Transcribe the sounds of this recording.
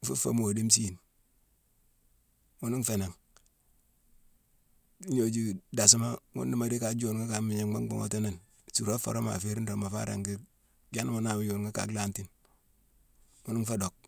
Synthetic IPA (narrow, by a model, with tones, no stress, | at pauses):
fṵ˦fa̰˨m˨o˨di˦m˦si˦˨n | ŋu˦ni˦ŋ˦fe˨na˨ŋ | i˦ɲo˨d͡ʒi˦da˨si˦ma˦ŋṵ˦ndi˦ma˨ɾi˦ka˨d͡ʒo˨n˨ŋa˦ka˨mi˨ɲe˨ŋma˦ŋ˦ɡ͡bo̰˦ŋo̰˦te˦ne˨n˨ | su˨ɾo˦fo̰˨ɾo˦ma̰˨fe˦ɾi˦n˦o˨ma˨fa̰˦ɾa̰˨ŋɡi˦ | ɡa˦n˦mo˨na˨wjo˨nŋa˦ka̰˨kla˦nti˦n | ŋu˦ni˦fa˦do˨k̚